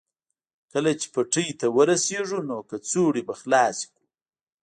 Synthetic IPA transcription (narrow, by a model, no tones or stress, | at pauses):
kəlat͡ʃe̥paʈəjt̪awəɾaseʐunokat͡soɽibaxlɑːsi̥ku